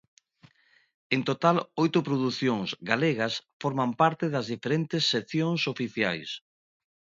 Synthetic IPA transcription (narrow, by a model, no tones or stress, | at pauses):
ent̪ot̪alojt̪ʊpɾoðuθjoŋzɡaleɣɐsfoɾmampaɾt̪eðɐzðifeɾent̪esːeθjoŋsofiθja̰js